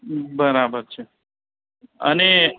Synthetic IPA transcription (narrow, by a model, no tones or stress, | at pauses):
bəɾabəɾt͡ʃʰe | ə̰ne